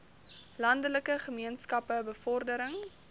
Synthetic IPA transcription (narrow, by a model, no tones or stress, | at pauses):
lɐndələkəχəmiənskɐpəbəfɔrdəɾəŋ